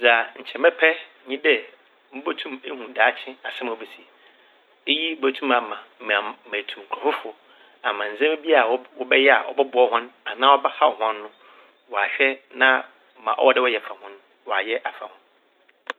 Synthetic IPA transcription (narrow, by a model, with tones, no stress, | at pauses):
za˨ɲ̩˨t͡ɕʰɛ˨mɛ̃˦pʰɛ˦ | ɲĩ˦dɛ˦ | m̩˦bo˦tʰũ˦me˦hũ˨daː˨˦t͡ɕʰɪ̃˦a˨sɛ˦m˨ɔ˨bɛ˨si˨ | e˦ji˦bo˨tʰũ˦mã˨mã˨m̩˨m˨ã˨mæ̃˨tʰũ˨m˨kʰɔ˨fʊ˦fʊ˨ | a˨mã˨n̩˨zɛ̃˦m˦bi˦a˨˦wɔ˦bɛ˦jɛ˦a˨ʔɔ̰˨bɛ˦bʊ˨˦ɔ˦hʊ̃˦na˨nãː˦ɔ˦ba˦ha˦˨ɔ˨hɔ̃˦nː˦ʊ̃˦ | wɔ˨a˨ɕᶣɛ˦nã˦ | mã̰˨ʔɔ̰˦wɔ˦dɛ˦wɔ˦jɛ˨fa˨hʊ̃˦n˦ | wɔ˨a˨jɛ˦ʔa˨fa˨hʊ̃˦n